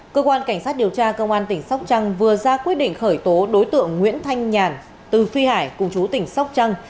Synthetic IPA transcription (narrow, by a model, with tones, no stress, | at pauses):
kəː˧kwaː˧nka˧˩jŋ̟saː˦˥t̚ɗi˨˩əwt͡ɕaː˧kə˧wŋ͡mʔaː˧nt̪ï˧˩ŋ̟sa˦˥wk͡p̚t͡ɕa˧ŋvɨ˨˩əzaː˧kwi˦˥t̚ɗḭ˧˨ŋ̟xəː˧˩jt̪o˨˦ɗo˨˦jt̪ɨ̰˧˨əŋːwḭ˧˥ənt̪ʰa˧jŋ̟ɲaː˨˩n | t̪ɨ˨˩fi˧haː˧˩jkʊ˨˩ŋ͡mt͡ɕu˨˦t̪ï˧˩ŋ̟sa˦˥wk͡p̚t͡ɕa˧ŋ